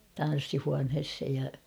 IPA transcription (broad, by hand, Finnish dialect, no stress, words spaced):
tɑn̞sːihuɑnheshej jɑ